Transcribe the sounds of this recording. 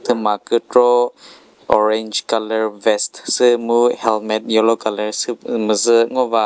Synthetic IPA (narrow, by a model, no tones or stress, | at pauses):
t̪ʰəmakətɾɔ | ʔɔɾɛnd͡ʒkaləɾvɛstsəmuhɛlmɛt̪̚jɔlɔkaləɾsəməzəŋɔva